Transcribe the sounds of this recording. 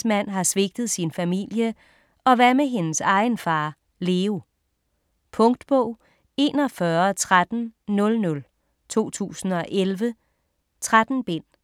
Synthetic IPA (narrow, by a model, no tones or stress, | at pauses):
smæn̰ɦɑ̈sʋe̝ɡ̥̚d̥ð̞̩ˠsinfæmḭl̰jə | ɒ̽ʋæɐmeɦe̝nəsɑ̈ɪnfɑ̈ː | le̝ːu | pʰɔ̽ŋd̥b̥ɔʊ̰ | e̝ːnɒfɶɐt͡sʰʁad̥n̩nɔ̽lnɔ̽l | t͡sʰo̝̰ːt͡sʰṵːsn̩ɒ̽ʔelʋə | t͡sʰʁad̥n̩b̥en̰